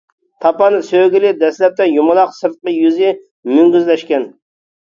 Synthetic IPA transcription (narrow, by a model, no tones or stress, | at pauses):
t̪ʰɑpɑnɨsøɡʲilɪd̪ɛslɛp̚t̪ɛjumɨlˠɑqsɨɾt̪̚qəjyzɪ | myŋɡʲyzlɛʃkʲɛn